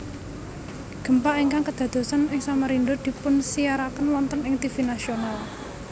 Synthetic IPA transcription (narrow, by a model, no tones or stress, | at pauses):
ɡ̥ə̤mpaʔiŋkaŋkəd̪̥ä̤d̪̥o̤sanɪŋsaməɾind̪ʊrd̪̥i̤pʊnsijaɾakənwɔnt̪ənɪŋt̪ifinasional